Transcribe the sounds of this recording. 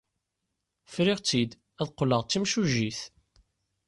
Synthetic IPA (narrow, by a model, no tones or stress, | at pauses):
fɾiʁt͡sːid̪ | æðqːləʁt͡sːimʃuʒiθ